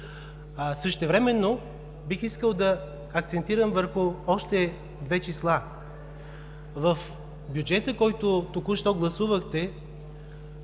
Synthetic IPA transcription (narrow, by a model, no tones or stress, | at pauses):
sɤʃt̪ɛvɾɛmɛnːo | bixiskəlˠd̪ɐ | ɐk̚t̪sɛnt̪iɾəmvəɾxʊɔʃt̪ɛ | d̪vɛt͡ʃislˠa | vɐf | bjud͡ʒɛt̪əkɔjt̪ot̪okuʃt̪ɔɡlˠɐsuvəxt̪ɛ